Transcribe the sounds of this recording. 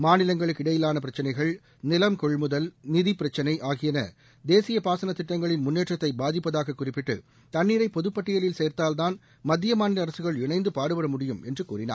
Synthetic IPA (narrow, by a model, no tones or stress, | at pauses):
maːnɪlɐŋɡɐɭɯkːɪɽɐjɪlaːnɐp̬ɪɾɐt͡ʃːɐnɐɪɣɐɭ | nɪlɐmkɔɭmʊðɐlnɪðipːɪɾɐt͡ʃːɐnɐɪʔaːɣɪjɐnɐ̰ | d̪eːsɪjɐpaːsɐnɐt̪ːɪʈːɐŋɡɐɭɪnmʊnːeːʈrɐt̪ːɐɪbaːðɪpːɐðaːɣɐkːʊrɪpːɪʈːɯ̰ | t̪ɐnːiːɾɐɪpːɔðɯpːɐʈːɪjɐɭɪlseːɾt̪aːlt̪aːn | mɐd̪ːɪjɐmaːnɪlɐɐɾɐsɯɣɐɭɪɳɐɪnd̪ɯpaːɽɯʋɐɾɐmʊɽɪjɯmʔɛndrɯkṵːrɪna̰ːɾ